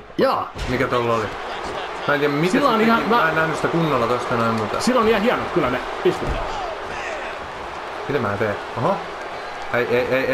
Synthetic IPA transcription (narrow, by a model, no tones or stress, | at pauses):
jɑːmikæt̪olːoli | mæːnt̪iæmmitsælːoonihɑmææennæhnysit̪ækunːolːɑt̪ost̪ɑnoimmut̪silːonihɑhiɑnot̪kylːæne | ist̪umḛt̪ | mit̪æmæːt̪eː | oho | eieiʔei